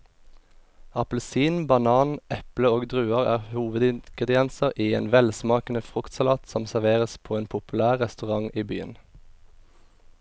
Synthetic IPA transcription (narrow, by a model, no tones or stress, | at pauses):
ɑpl̩siːnbɑnɑːnʔɛpləoːɡd̪ʁʉːəʁæ̰ːʁhuːʋəd̪ɪnɡ̥ʁɛd̪ɪɛnsəʁʔiːeːnʋɛlsmɑːkən̩əfʁʊkt̪sɑlɑːt̪sɔmsæʁʋeːʁəspʰoːeːnpʰʊpʉlæːʁʁɛst̪ʉʁɑŋʔiːby̰ːə̰n